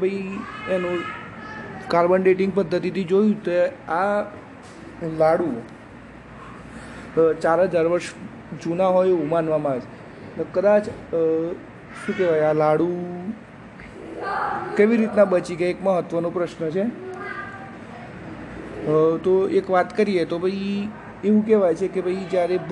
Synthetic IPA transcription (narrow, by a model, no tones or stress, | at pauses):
bʱəienũ | kaɾbəɳɖeʈɪŋɡ̚pəd̪ʱːət̪it̪id͡ʒojũt̪oa | laɽu | t͡ʃaɾɦəd͡ʒaɾʋəɾʃ | d͡ʒunaɦojumanʋamãʋet͡ʃʰe | nekəd̪at͡ʃ | ʃũkɛʋajalaɽu | keʋiɾit̪nabət͡ʃiɡaekməɦət̪ʋənõpɾəʃnət͡ʃʰe | t̪oekʋat̪kəɾiet̪obʱəi | eʋũkɛʋajt͡ʃʰekebʱəid͡ʒjaɾe